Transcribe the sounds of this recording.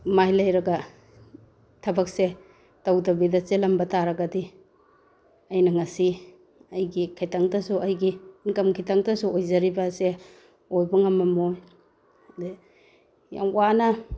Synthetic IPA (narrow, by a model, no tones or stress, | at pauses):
majlɐjɾɐɡɐ | tʰɐbɐk̚se | tawdɐbidɐselɐmbɐtʰaɾɐɡɐdi | ɐjnɐŋɐsi | ɐjɡikʰajtaŋdɐsuʔɐjɡiːnkɐmkʰitaŋdɐsuojzɐɾibɐse | ojbɐŋɐmːɐmoj | de | ja̰ŋwanɐ